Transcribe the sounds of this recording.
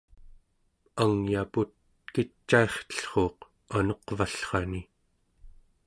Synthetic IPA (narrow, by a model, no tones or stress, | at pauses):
aŋjaput̪̚ | kit͡ʃːae̞χt̪ə̥ɬχo̞ːq | anoqvaɬχɑni